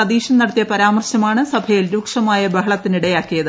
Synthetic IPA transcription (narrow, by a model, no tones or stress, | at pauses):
ɐd̪iːɕɐnɐɽɐt̪ijɐpɐɾaːmɐrɕɐmaːɳɨsɐbʱɐjilɾuːkʂɐmaːjɐbɐɦɐɭɐt̪ːiniɽɐjaːkːijɐðɨ